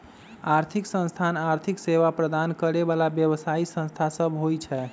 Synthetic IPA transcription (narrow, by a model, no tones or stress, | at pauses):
aɾt̪ʰiksə̃nst̪ʰanaɾt̪ʰikseʋapɾəd̪ankəɾebalabjəβsaisə̃nst̪ʰasəbɦojt͡ʃʰɛ